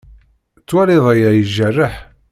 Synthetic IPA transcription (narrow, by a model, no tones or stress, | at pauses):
t͡sːwæɾiðˤæjæjəʒːərːəħ